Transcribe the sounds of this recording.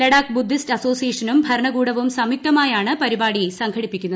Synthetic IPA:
lɐɽaːkbud̪ʱːistɐso̞ːsijeːʂɐnumbʱɐɾɐɳɐɡuːɽɐʋumsɐmik̚t̪ɐmaːjaːɳɨpɐɾibaːɽisɐŋkʰɐɽipːikʲːunːɐ

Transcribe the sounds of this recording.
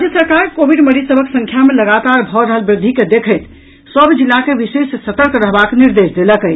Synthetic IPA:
ɾad͡ʒjəsəɾkaɾkobʱiɖməɾisəbʱəksə̃ŋkʰjameləɡat̪aɾbʱɔɾəɦəlbɾɪd̪ʱiked̪ekʰəjt̪ | səbd͡ʒilːakeʋisesːət̪əɾkɾəɦbakniɾd̪esd̪eləkəj

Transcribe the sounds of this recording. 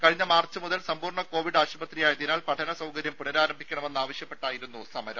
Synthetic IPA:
kɐɻiɲːɐmaːrt͡ɕːɨmuðɐlsɐmpuːrɳɐko̞ːʋiɽaːɕubɐt̪rijaːjɐðinaːlpɐʈʰɐnɐsɐwkɐɾjɐmpunɐɾaːɾɐmbʱikʲːɐɳɐme̞nːaːʋɐɕjɐpːe̞ʈːaːjiɾun̪ːusɐmɐɾɐ̰m

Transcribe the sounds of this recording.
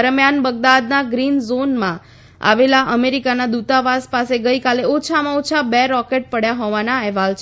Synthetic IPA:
əɾmjanbəɡ̚d̪ad̪naɡɾinzonmã̰ | a̰ʋelaʔəmeɾikanad̪ut̪aʋaspaseɡəjkaleot͡ʃʰamãot͡ʃʰabeɾɔkeʈ̚pəɽjaɦoʋanaɛɦʋalt͡ʃʰ

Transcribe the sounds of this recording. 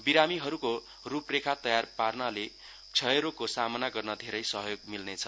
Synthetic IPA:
biɾamiɦʌɾuko | ruprekʰat̪ʌjarparnʌle | t͡sʰʌeɾokosamʌnaɡʌrnʌd̪ʱeɾʌjsʌɦʌjoɡmilnet͡sʰʌ

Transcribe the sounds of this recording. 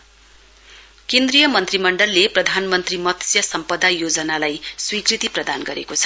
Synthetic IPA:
kend̪rijʌmʌnt̪rimʌɳɖʌlːeprʌd̪ʱanmʌnt̪rimʌt̪sjʌsʌmpʌd̪ʱajod͡zʌnalajswikrit̪iprʌd̪anɡʌɾḛkot͡sʰʌ̥

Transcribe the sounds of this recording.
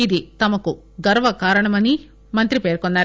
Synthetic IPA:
id̪it̪ɐmɐku | ɡɐɾʋɐkaːɾɐɳɐmɐni | mɐnt̪ɾipe̞ːɾkɔnːaːɾ

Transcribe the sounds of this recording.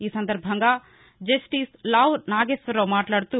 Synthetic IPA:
iːsɐnd̪ɐɾbʱɐŋɡa | d͡ʒɐsʈiːslaːʋɾnaːɡesʋɐɾoːmaːʈlaːɽt̪u

